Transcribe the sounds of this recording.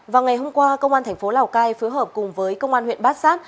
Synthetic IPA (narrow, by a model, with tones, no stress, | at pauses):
vaː˨˩wŋa˨˩jɦo˧mkwaː˧kə˧wŋ͡mʔaː˧nt̪ʰɛ˨˩ŋ̟fo˨˦laː˨˩wkaː˧jfɨ˨˦ɦəː˨˩p̚kʊ˨˩ŋ͡mvəː˨˦jkə˧wŋ͡mʔaː˧nhwḭ˧˨ənɓaː˦˥t̚saː˦˥t̚